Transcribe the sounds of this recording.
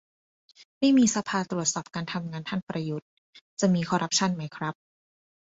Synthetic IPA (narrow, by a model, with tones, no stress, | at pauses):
ma˥˩jmiː˧sa˧pʰaː˧t̪ɾu˨˩ət̪̚sɔː˨˩p̚kaː˧nt̪ʰa˧mŋaː˧nt̪ʰa˥˩npɾa˧ju˦˥t̪̚ | t͡ɕa˨˩miː˧kʰɔː˧ɾʔa˦˥p̚t͡ɕʰa˥˩˨nma˦˥jkʰɾa˦˥p̚